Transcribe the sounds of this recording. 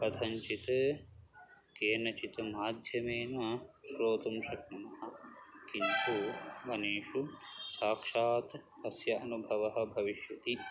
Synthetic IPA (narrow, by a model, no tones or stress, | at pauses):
ɐt̪ʰɐɲt͡ʃit̪ɐ | keːnɐt͡ʃit̪ɐmaːd̪ʱjɐmeːnɐʃɾoːt̪ɐmʃɐknɐnɐɦɐ̆kint̪uʋɐneːʂusaːkʂaːt̪ | ɐsjɐɐnubʱɐʋɐɦɐ̆bʱɐʋiʃjɐt̪i